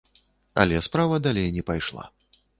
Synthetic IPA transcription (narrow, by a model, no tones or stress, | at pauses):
ɐ̰lʲɛspɾavɐd̪alʲejnʲɛpajʂlˠa̰